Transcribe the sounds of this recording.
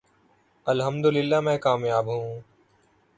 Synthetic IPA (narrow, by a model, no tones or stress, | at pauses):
əlɦəmd̪ʊlɪlːaːmɛ̃ːkaːmjaːbɦũː